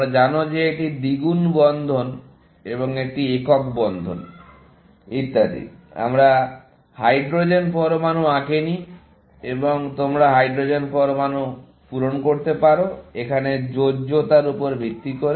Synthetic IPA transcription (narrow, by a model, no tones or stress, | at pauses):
mɾad͡ʑanod͡ʑeeʈid̪iɡunbɔnd̪ʱon | eβoŋek̚ʈiekɔkbɔnd̪ʱo̰n | it̪ːad̪ḭa̰mɾa | hajɖɾod͡ʑenpɔɾomanuãkeni | eboŋt̪omɾaɦajɖɾod͡ʑenpɔɾomanu | puɾonkoɾt̪epaɾoekʰaned͡ʑod͡ʑot̪aɾupoɾbʱit̪ːikoɾe